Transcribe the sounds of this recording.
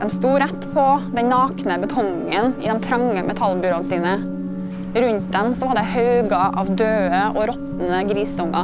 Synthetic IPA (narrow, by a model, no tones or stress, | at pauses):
d̪ɛmst̪uːɾɛt̪ːpʰɔd̪ɛnnɑːknəbət̪ʰɔŋ | ənɪ̰d̪ɛnt̪ʰɾɑŋːəmʔɛt̪ʰɑlbʏɾoːnsiːnə | ɾʉnt̪̚d̪ɛmsɔʋɑd̪ɛhɑʉɡɑʔɑ̰ʋd̪øːəʔɔɾɔt̪n̩əɡɾiːsʊŋɑ̰